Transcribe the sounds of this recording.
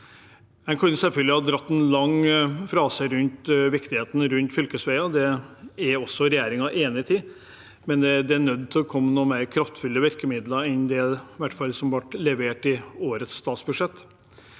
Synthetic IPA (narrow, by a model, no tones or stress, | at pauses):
hɛnkʰʉnsɛlfœlɡd̪ɪhɑd̪ɾɑt̪ːɛnlɑŋfɾɑːsəɾʉnt̪ʋɪkt̪ɪheːt̪n̩ɾʉnt̪fʏlkəsʋæɪɑd̪ɛæɾɔsːɔɾɛjeːɾɪŋɑʔeːnɪət̪ʰiː | mɛnd̪ɛd̪ɛæɳœd̪ːt̪ʰɪlɔkʰɔmːənuːəmæɪɾkʰɾɑft̪fʉlːəʋɪɾkəmɪd̪ləɾɛnd̪ɛʋæʈːfɑlsɔmʋɑʈlɛʋeːʈɪoːɾət̪sːt̪ɑːt̪sbʉʂɛt̪ː